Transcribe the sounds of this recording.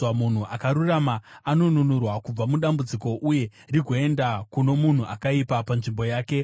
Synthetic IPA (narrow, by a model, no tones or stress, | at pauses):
amun̤uʔakaɾuramaːno̞nunurwakub͡vamuɗambud͡ziko̞ʔuje̞ | riɡʱo̞e̞ndakuno̞mun̤uʔakaipapanʐimbo̞jaːke̞